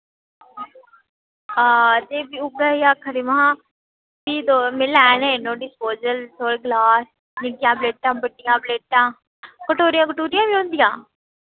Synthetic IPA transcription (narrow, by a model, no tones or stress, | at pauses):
aːd͡ʒeːbiːʊɡaiːaːkʰəɾimaãː | biːd̪oːmɪ̃lɛːneːnõːɖɪspoːzəlt̪ʰoːɽeːɡlaːs | nɪɡɪjãːbleːʈãːbəɖɪjãːbleːʈãː | kəʈoːɾɪjãːk̬əʈoːɾɪjãːʋiːɦõːnd̪ijãː